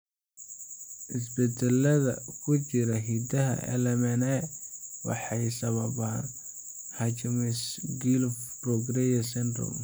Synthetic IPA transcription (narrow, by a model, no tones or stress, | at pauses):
ʔɪs̬bɛd̪ɛlɐðɐ̰kʰʊt͡ʃɪɾɐɦid̪ɐɦɐ̰ʔɛ̰lɛmɛnɛwɑ̰ħɑjsɐβɐβaːn | hɐt͡ʃɪmɪsɡilfprɔɡɾɛjɛsɛnd̪rɔ̰m